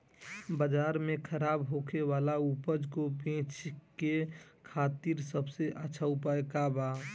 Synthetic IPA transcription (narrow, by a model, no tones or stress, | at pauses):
bəd͡ʒaːɾmẽkʰəɾaːbɦokʰeʋaːlaupəd͡ʒkobẽːt͡ʃkekʰaːt̪iɾsəbseʔəːʃʰaupaekaba